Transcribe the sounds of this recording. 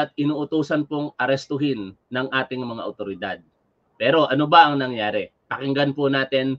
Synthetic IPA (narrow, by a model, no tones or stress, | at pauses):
t̪̚ʔɪnuːʔʊt̪uːsɐnpoŋʔɐɾɛst̪ʊɦɪnːɐŋʔaːt̪ɪŋmɐŋa̰ʔɐʊt̪oɾɪd̪ad̪̚ | pɛːɾo̞ʔɐnobɐʔɐŋnɐŋjaːɾɛpɐkɪŋɡanponaːt̪ɪn